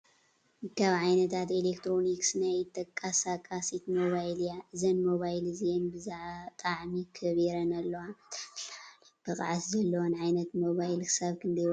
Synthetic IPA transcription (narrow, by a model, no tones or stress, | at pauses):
hɨkʰːaβʕajnɐt̪ʰat̪elekt̪ʰɾo̞niksɨnajɨt̪ʰːɐkʼːasakʼasit̪moβajljaʔɨzɐnmo̞βajlɨzienbɨzaʕt̪ʼaʕmikʰɐβeɾɐnɐlːɐwalb̥ɨkʼa̰ʕaszɐlːɐwonʕajnɐt̪mo̞βajlkʰɨ̥saβkʰɨnd̪ɐj